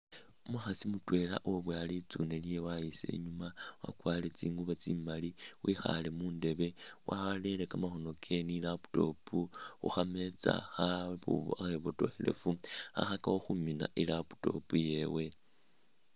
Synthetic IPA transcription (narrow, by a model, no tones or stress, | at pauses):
umuxasimutwe̞la̰ʔoβwaalit͡sunelijewaise̞̰ɲumawa̰kwaːle̞t͡siːŋɡuβat͡siːmaliwixa̰le̞muːnde̞βe̞waale̞lekamaxo̞no̞kʰe̞nilapu̥to̞pʰuxṵxame̞t͡sa̰xaβṵaxeβoto̞xele̞̰fua̰xakawoxumina̰ʔilapu̥to̞̰puje̞we̞